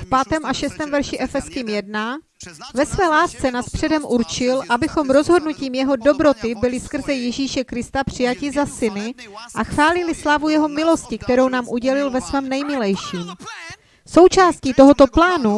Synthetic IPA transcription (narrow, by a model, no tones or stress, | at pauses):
fpaːt̪ɛːmʔaʃɛst̪ɛːmvɛɾʃɪʔɛfɛskiːmjɛdna | vɛsvɛːlaːst͡sɛnaspr̝̥ɛdɛmʔuɾt͡ʃɪlʔabɪxo̞mɾo̞zɦo̞dnuciːmjɛɦo̞do̞bɾo̞t̪ɪbɪlɪskr̩zɛjɛʒiːʃɛkɾɪst̪apr̝̥ɪjacɪzasɪnɪʔaxvaːlɪlɪslavujɛɦo̞mɪlo̞scɪkt̪ɛɾo̞wnaːmʔuɟɛlɪlvɛsvɛːmnɛjmɪlɛjʃiːm | so̞wt͡ʃaːsciːt̪o̞ɦo̞t̪o̞plaːnu